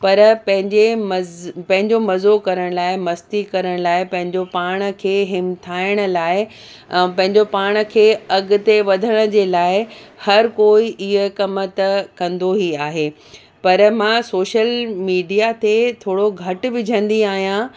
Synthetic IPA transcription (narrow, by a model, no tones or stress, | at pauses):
pɐɾpɐ̃ɦɪ̃ɲd͡ʑemɐpɐ̃ɦɪ̃ɲd͡ʑomɐzokɐɾəɽ̃laːɪmɐst̪ikɐɾəɽ̃laːɪpɐ̃ɦɪ̃ɲd͡ʑopaːɽ̃̆kʰeːɦɪmt̪ʰaːɪɽ̃ə̆laːɪ̃ | pɐ̃ɦɪ̃ɲd͡ʑopaːɽ̃̆kʰeːɐɡʊ̆t̪eʋɐd̪ʱəɽ̃ə̆d͡ʑeːlaːɪhɐɾkoːiʔɪɦə̆kɐmət̪ɐkɐ̃nd̪oɦiaːɦeː | pɐɾmãsoːʃəlmiːɖijat̪et̪ʰoːɽoɡʱɐʈ̆ʋɪd͡ʑʱə̃nd̪iaːɦijã